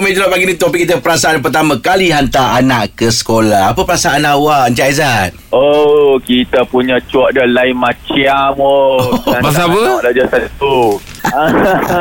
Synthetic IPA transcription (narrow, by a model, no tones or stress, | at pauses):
med͡ʒəlaʔbaɡinĩt̪opikːit̪əpəɾasaʔanp̬ərt̪amãkaliɦant̪aanaʔkəsə̥kolahapəpəɾasaʔanawaʔnt͡ʃaizat̪̚okit̪əpuɲãt͡ʃuɔʔ̚dəlaimat͡ʃiamobas̬apəlad͡ʒasant̪u